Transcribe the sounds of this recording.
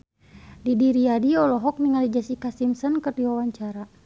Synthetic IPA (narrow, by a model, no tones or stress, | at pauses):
didiɾiadiɔlɔɦɔk̚niŋalid͡ʒasikasimsɔnkərdiwawaɲt͡ʃaɾa